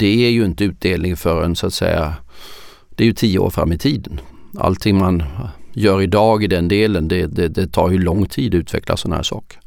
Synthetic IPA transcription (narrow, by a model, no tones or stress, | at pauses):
d̪̥ɛæɾjɵɪnt̪əʉ̟ːt̪̚d̪eːlnɪŋfœɾɛ̰nsʊat̪sɛ̰jːa | d̪̥ɛæjɵt̪ʰiːəo̰ːɾfɾa̰mːɪt̪ʰiːd̪ən | a̰lt̪ʰːɪŋmanjœːɾɪd̪ɑːɡɪd̪ɛnd̪eːlənd̪ɛd̪ɛd̪ɛt̪ʰɑ̰ːɾjɵlɔŋːt̪ʰiːd̪ɔʉ̟ːt̪vɛ̰kla̰sɔnːahæ̰ːʂɑ̰ːkə̥